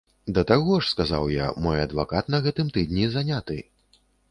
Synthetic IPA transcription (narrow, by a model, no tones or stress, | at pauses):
d̪ɐt̪aɣɔʂskaza̰wja̰mɔjɐd̪va̰kat̪nɐɣɛt̪ɨmt̪ɨd̪nʲizanʲat̪ɨ̰